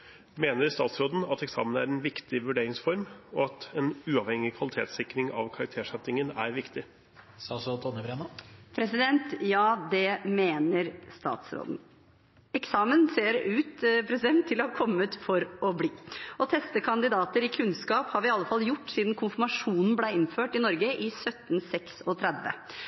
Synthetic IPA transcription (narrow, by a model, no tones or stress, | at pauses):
meːnəɾst̪ɑːt̪sɾoːd̪n̩ɑt̪ɛksɑ̰ːmənæ̰ɾɛnʋɪkt̪ɪʋʉɖeːɾɪŋsfɔɾmɔɑt̪ɛnʉːɑʋhɛŋɪkʰʋɑlɪt̪ʰḛːt̪sɪkɾɪŋɑ̰ʋkʰɑɾɑkt̪ʰeːʂɛt̪ːɪŋənæ̰ɾʋɪkt̪ɪ | sɑːsɔt̪ʰɔnːəbɾɛnɑpʰɾɛsɪd̪ɛnt̪jɑːd̪ɛmeːnəɾst̪ɑ̰ːt̪sɾo̰ːd̪n̩ | ɛksɑːmənseːɾʉːt̪pʰɾɛsɪd̪ɛnt̪ʰːɪlɔhɑɾkʰɔmːət̪fɔɾɔbliːɔt̪ʰɛst̪əkʰɑnd̪ɪd̪ɑːt̪əɾɪkʰʉnskɑːphɑːɾʋɪɑlːəfɑlːjʊʈːsiːd̪n̩kʰʊnfəɾmɑʂuːnn̩blæɪɪnføːʈɪnɔɾɡəʔɪsœt̪ːn̩sɛksɔt̪ʰɾɛd̪ʋə̰